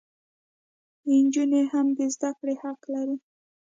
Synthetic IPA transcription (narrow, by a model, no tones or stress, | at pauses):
ɪnd͡ʒunehamd̪ezd̪akɽehaqlaɾi